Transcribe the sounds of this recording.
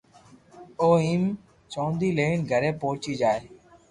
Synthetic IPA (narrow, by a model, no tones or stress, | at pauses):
oːiːm | t͡ʃõːnd̪iːleːɪɳɡʱəɾẽːpoːt͡ʃiːd͡ʒaːeː